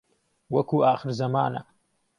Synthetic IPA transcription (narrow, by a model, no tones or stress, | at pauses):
wɐkuːʔaːxɨɾzɐma̰ːnɐ̰